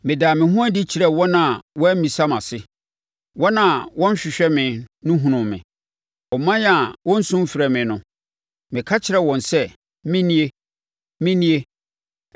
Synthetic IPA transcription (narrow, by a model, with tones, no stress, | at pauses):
mɪ̃˨daː˨mɪ̃˨ɦũ˦a˦di˦t͡ɕʰi˨ɾɛ˨wɔ̃˦nã˨wɔ˦æ˦m˦mĩ˨sa˦mã˨sɪ˦ | wɔ̃˦nã˦˨wɔ̃˦n˦ɕᶣɪ˨ɕᶣɛ˦mɪ̃˨nʊ̃˦ɦũ˨nʊ̃˨mɪ̰̃˨ | ɔ˨mːã˦n˦a˨wʔɔ̃˦n̩˦sʊ̃˦m˦fɪ˨ɾɛ˨mɪ̃˨nʊ̃˦ | mɪ̃˨kʰa˦t͡ɕʰɪ˨ɾɛ˦wɔ̃˨nsɛ˦ | mɪ̃˦nĩ˦e˦ | mɪ̃˦nĩ˦e˦